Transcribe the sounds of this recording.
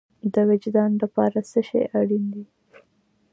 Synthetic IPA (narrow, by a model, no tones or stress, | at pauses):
d̪əwɪd͡ʒd̪ɑnlapɑɾasəʃḛʔaɽind̪i